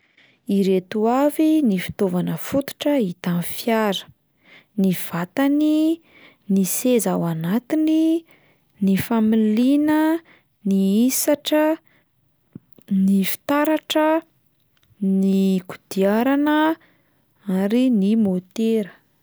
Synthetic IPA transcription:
iɾet̪uavinifi̥t̪ovanəfut̪u̥ʈ͡ʂəit̪anfjaɾə̥ | niv̥at̪ani | nisezawanat̪ini | nifamilinə | niisaʈ͡ʂə | nifi̥t̪aɾaʈ͡ʂə | niku̥d̪̥iaɾanə | aɾinimot̪eɾə̥

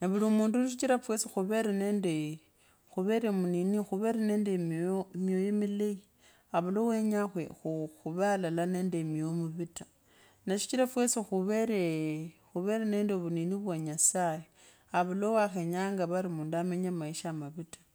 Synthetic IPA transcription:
naβulimuːnduniʃ̬it͡ʃiɾafwe̞sixuβe̞ɾene̞ːnde | xuβe̞ɾemuninixuβe̞ɾane̞ndemomjojomilei | aβulowe̞ɲaxwexuxuβalalane̞nde̞mjomuβitḁ | naʃi̥t͡ʃiɾafwesixuβeɾexuβe̞ɾane̞ːndeβuniniβwaɲasaje | aβulowaxe̞ɲaːŋɡaβaɾimuːndameɲamaiʃamaβitḁ

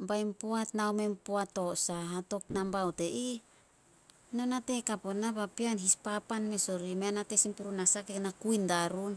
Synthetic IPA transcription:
bajmpoatnaome̞mpoato̞saato̞k̚nambawte̞ʔi | no̞nate̞kaponabapianɦispapanme̞so̞ɾimeanate̞simpuɾunasakenakujndaɾun

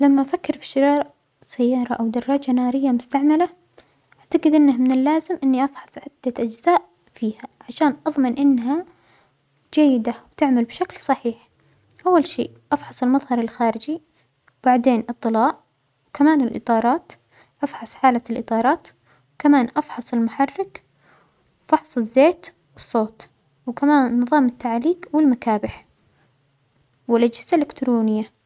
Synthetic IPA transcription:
lamːaʔfakːɪɾfi̥ʃːɪɾɑːɾˤ | sajːɑːɾˤɑʔawd̪ɑrˤːɑːd͡ʒanɑːɾɪjːamʊst̪aʕmala | ʔaʕt̪aɡɪd̪ʔɪnːahmɪnɪlːaːzɪmʔɪnːiʔɑfħɑ̥sˤʕɪd̪̥ːaʔad͡ʒzaːʔ | fiːhaʕaʃaːnʔɑðˤmɪnʔɪnːɦa | d͡ʒajːɪd̪awt̪ɪʕmalbʃaklsˤɑħiːħ | ʔawːalʃḭːʔʔɑfħɑsˤɪlmɑðˤhɑɾˤɪlxaːɾɪd͡ʒi | wb̥aʕd̪eːnʔɨt̪ˤːɨlɑːʔ | wkamaːnɪlʔɨ̰t̪ˤɑːɾˤɑːt̪ | ʔɑfħɑsˤħaːlalʔɨt̪ˤɑːɾˤɑːt̪ | wkamaːnʔɑfħɑsˤɪlmʊħɑrːɪk | fɑħsˤɪzːeːt̪ | wɨsˤːoːt̪ | wkamaːnːɨðˤɑːmɪt̪ːaʕliːqwɪlmakaːbɪħ | wɪlʔad͡ʒhɪz̥alɪkt̪ɾuːnɪjːa

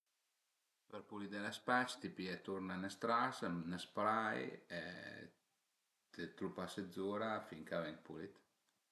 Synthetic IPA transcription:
pəɾpulit̪d̪elaspat͡ʃt̪ipiɛt̪uɾnanəst̪ɾasnəspɾajɛ̰ | t̪et̪ɾupased̪zuɾafiŋkavɛŋkpulit̪

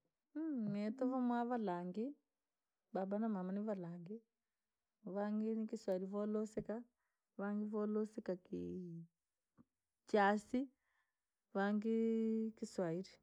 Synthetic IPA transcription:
mɛtɔvamwaβalaŋɡi | babanamamaniβalaːŋɡi | βaŋɡinikiswaiɾivɔlosɛka | βaŋɡiβɔlosikaki | t͡ʃasi | βaŋɡikiswaiɾi

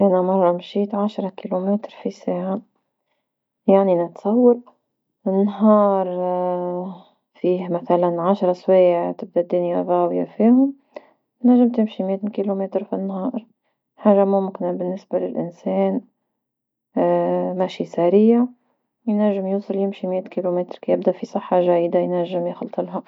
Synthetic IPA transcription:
ʔænæmɑrˤːɑmʃiːt̪ʕaʃɾˤɑkilumɛːt̪ɾfisaːʕa | jaʕninɪt̪sˤɑwːɑɾ | ɪnːɦɑːɾˤ | fiːhmæθælænʕaʃɾˤɑswiːʕt̪ɪb̚d̪æd̪ːʊnjaðˤɑːwja̰fiːhʊm | t̪næʒːɪmt̪ɪmʃimɪʔæt̪kilumɛːt̪ɾfinːɦɑːɾˤ | ħaːʒamʊmkɪnabɪnːɪsbalɪlʔɪnsɛːn | mæʃisæɾiːʕ | jnæʒːɪmjuːsˤɨljɪmʃimɪjæt̪kilumɛːt̪ɾkæjɪb̚d̪æʔfisˤɨħːɑʒæjd̪ajnæʒːɪmjɪxlt̪ˤəlɦa

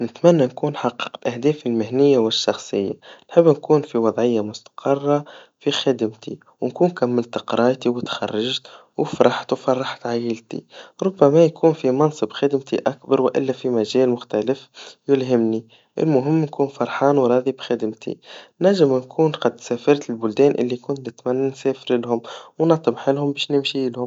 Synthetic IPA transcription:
nɪt̪mænːænkuːnħɑqːə̥qt̪ʔahd̪ɛːfɪlmɪhnɪjːawɪʃːɑxsˤəjːanħɪbːnkuːnfiwɑðˤʕɪjːamʊst̪ɑ̥qʰɑrˤːɑ | fixɪd̪əmt̪ʰḭ | wnkuːnkæmːɪlt̪qɾˤɑːt̪iwɪt̪xɑ̰rˤːɑʒt̪ | wfɾˤɑħt̪wfɑrˤːɑħt̪ʕajɪlt̪ḭɾˤʊbːæmæjkʰuːnfimɑnsˤɨbxɪd̪mt̪iʔakbɑɾˤwɪʔɪ̰lːæfimæʒɛːlmʊxt̪ælɪfjɪlɦɪmni | ʔɪ̰lmʊɦɪmːnkuːnfɑɾˤħɑːnwɾˤɑːðibxæd̪əmt̪ʰḭnæʕʒɪmnkʰuːnqɑd̪sæːfɑɾˤt̪ɪlbʊld̪ɛːnʔɪ̰lːikʊnt̪nɪt̪mænːænsɛːfɪɾɪlhʊmwnɑt̪ˤːəbħɪlɦʊmbɛːʃnɪmʃilhʊm

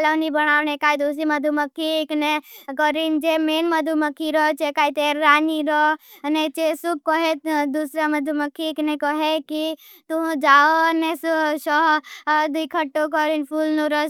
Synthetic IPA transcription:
lɔnibənaːʋnekaːid̪uːsimɐd̪ʱuməkʰːiːknekɔɾind͡ʒemeːnməd̪ʱuməkʰːiɾɔt͡ʃekaːit̪eɾːaːniɾɔ | net͡ʃesub̚kɔɦed̪usɾamɐd̪ʱuməkʰːiːknekɔɦeki | t̪uɦd͡ʒaːonesʃɔɦd̪ikʰəʈːok̬ɔɾinpʰulnuɾɔ

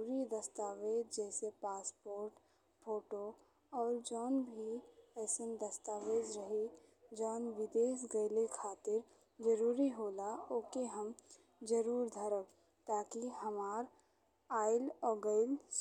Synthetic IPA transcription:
ɾid̪ɐst̪aːʋeːd͡ʒd͡ʒɛːsepaːspoːɾʈ | pʰoːʈo | ɔːɾd͡ʒɔːnbʱiɛːsənd̪əst̪aːʋeːd͡ʒɾɐɦid͡ʒɔːnʋɪd̪eːsɡəɪlekʰaːt̪ɪɾ | d͡ʒəɾuːɾiɦoːlaoːkeɦəm | d͡ʒəɾuːɾd̪ʱəɾək | t̪aːkiɦəmaːɾ | aːɪlɔːɡəɪls

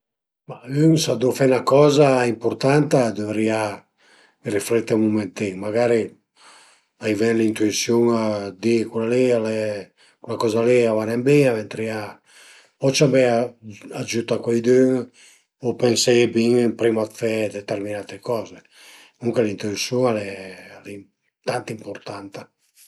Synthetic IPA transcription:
mayŋsad̪ufɛnakɔːzaimpuɾt̪ant̪ad̪ovɾia | riflɛt̪ːemumɛnt̪iŋmaɡaɾi | ajvɛnlint̪uisjoŋad̪ikulalialɛ | kulakɔzaliavanɛmbiavɛnt̪ɾia | pɔt͡ʃabɛaad͡ʒut̪akwajd̪øŋ | opensɛbiŋmpɾimat̪fɛd̪ɛt̪ɛrminat̪ekɔːze | uŋkelint̪uisjuŋalɛlɛ | t̪ant̪impoɾt̪ant̪a

